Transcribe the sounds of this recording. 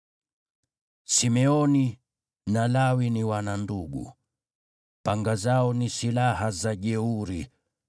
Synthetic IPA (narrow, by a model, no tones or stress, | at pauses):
simɛɔni | nalawiniwananduɠṵ | paŋɡazaɔnisilahazaʄɛuɾi